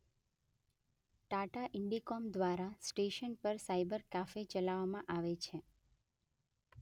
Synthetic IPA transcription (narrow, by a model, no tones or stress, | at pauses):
ʈaʈaʔɪɳɖikɔmd̪ʋaɾasʈeʃənpəɾsaibəɾkafet͡ʃəlaʋamãʔaʋet͡ʃʰe